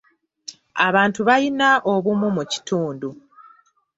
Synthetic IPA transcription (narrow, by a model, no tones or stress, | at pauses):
aβaːntuβajinaʔoβumumuci̥tuːndu